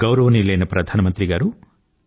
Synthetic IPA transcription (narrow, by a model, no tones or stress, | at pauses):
ɡɐwɾɐʋɐnilːɐjɐnɐpɾɐd̪ʱaːnɐmɐnt̪ɾiɡaːɾu